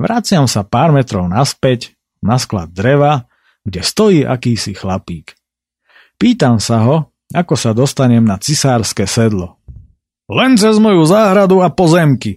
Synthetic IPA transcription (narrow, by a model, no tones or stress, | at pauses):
ʋɾat͡sɪamsapaːɾmɛt̪ɾɔʊnaspɛc | naskla̰d̪̚ːɾɛʋa | ɡɟɛst̪ɔjiːʔa̰kiːsixlapiːk | piːt̪amsaɦɔ | akɔsad̪ɔst̪aɲɛmnat͡sisaːɾskɛːsɛd̪lɔ | lɛnt͡sɛzmɔjuzaːɦɾad̪uapɔzɛmki